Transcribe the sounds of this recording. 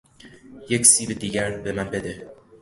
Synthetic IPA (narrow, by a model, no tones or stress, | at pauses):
jecsiːbed̪iːɡæɾbemænbed̪e